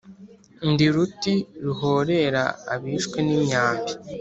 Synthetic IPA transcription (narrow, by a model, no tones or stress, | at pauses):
ndiɾutiɾuɦoːɾe̞ɾa̰ːβiːʃkwe̞nimɲaːβi